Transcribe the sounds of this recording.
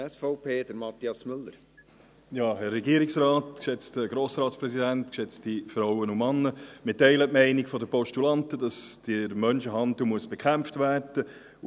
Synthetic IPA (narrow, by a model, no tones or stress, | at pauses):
ɛsfɔʊpʰeːd̪əɾmɑt̪iɑsmʏlːəɾ | jɑːhɛrːɛɡiəɾiksrɑːtkʃɛt͡stəɡɾoːsɾɑːtspɾɛsidæntkʃɛt͡stifɾawənumɑnːəmɪtɛɪlətmɛɪnikfɔdəpɔʃtulɑntədɑsd̥ɪɾmœnʃəɦɑntumuəsb̥ɛkʰχæmftvæːrd̥ə